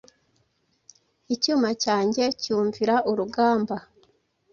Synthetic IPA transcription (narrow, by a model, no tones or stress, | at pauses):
icuːmacaːɲɟe̞cuːɱviɾaʔuɾuɡaːmba